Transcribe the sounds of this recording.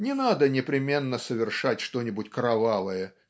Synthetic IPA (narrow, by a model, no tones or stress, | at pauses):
nʲɪnad̪ənʲɪpɾʲɪmʲe̞nːəsəvʲɪrʂatʲʂt̪o̞nʲɪbʊtʲkɾɐvavəjə